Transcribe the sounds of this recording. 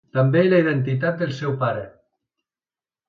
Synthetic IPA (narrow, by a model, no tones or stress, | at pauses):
t̪əmbeːləiðent̪it̪̬at̪̚d̪elˠsɛwpaɾe